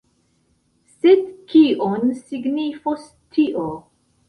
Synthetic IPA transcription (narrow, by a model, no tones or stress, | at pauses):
sedkʰiʔonsiɡnifos | tʰiʔo